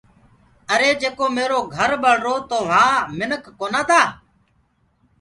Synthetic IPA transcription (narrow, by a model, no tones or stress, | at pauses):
əɾeːd͡ʒeːkoːmeːɾoːɡʱəɾɓəɽ̤ɾoːt̪oːʋ̤ãːmɪnəkːoːnaːt̪ʰaː